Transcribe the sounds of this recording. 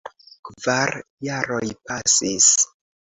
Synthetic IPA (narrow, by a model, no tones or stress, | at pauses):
kvaɾjaɾojpasis